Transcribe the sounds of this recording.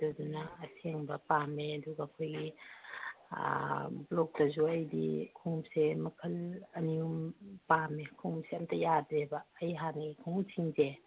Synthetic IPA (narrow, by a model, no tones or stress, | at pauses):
dudunaːsʰeŋbɐpameɐduɡaːkʰojɡi | blɔk̚dɐzuɐjdḭkʰuŋmsemɐkʰɐlɐniumpamekʰuŋmseɐmtʰɐjadɾebaːjɦanikʰuŋtʰiŋze